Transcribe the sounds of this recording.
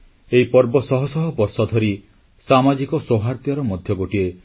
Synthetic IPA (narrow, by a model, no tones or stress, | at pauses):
eipɔɾbɔsɔɦɔsɔɦɔbɔɾsɔd̪ʱɔɾi | samad͡ʒikɔsoɦaɾt̪jɔɾɔmɔd̪ʱjɔɡoʈie